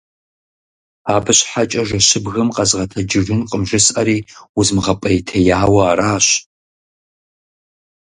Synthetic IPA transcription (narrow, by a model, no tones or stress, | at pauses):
aːbɨɕħat͡ʃʼɐʒɐɕɪbɣɨmqʼɐzʁɐtʰɐd͡ʒɪrɨnqʼəmʒɨsɐɾiːuzmɨʁɐpʼɐjitʰɐjaːwɐaɾaːɕ